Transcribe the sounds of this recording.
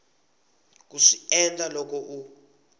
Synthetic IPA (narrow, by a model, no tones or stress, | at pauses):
k̬uʂiɛndʱalɔk̬ɔʔu